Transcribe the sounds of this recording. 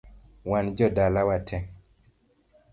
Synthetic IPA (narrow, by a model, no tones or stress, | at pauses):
wand͡ʒɔdalawatʰɛ